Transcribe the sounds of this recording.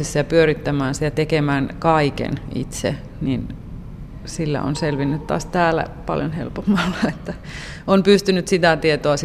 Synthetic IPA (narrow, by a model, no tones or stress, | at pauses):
esːɑjɑpyøɾit̪ːæmæːnsit̪æt̪ekemæːnkɑikḛnḭt̪sḛ | nin | silːæ̰o̰nselʋinːyt̪tɑ̰ːst̪æːlæ̰pɑ̰ljonhḛlpomːɑlːɑet̪ːæ | ompyst̪ynyt̪sit̪æt̪iet̪oɑs